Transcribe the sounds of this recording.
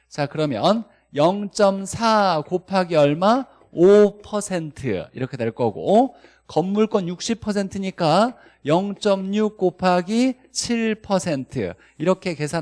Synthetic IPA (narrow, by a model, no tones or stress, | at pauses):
t͡ɕakɯɾʌmjʌn | jʌŋt͡ɕ͈ʌmsʰakopʰaɡiʌɭma | opʰʌsʰe̞ntʰɯ̰ḭɾʌkʰe̞dwe̞ɭk͈ʌɡo̰ | kʌmːuɭk͈wʌnjuk̚ɕ͈ipʰʌs̬ʰe̞ntʰɯɲik͈a | jʌŋt͡ɕ͈ʌmɲuk͈opʰaɡi | t͡ɕʰiɭpʰʌsʰe̞ntʰɯ̰ | iɾʌkʰe̞ke̞sʰa